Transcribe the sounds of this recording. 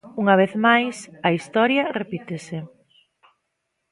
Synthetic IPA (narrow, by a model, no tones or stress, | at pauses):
uŋɐβ̞eθmajsɐist̪ɔɾjɐrepit̪esɪ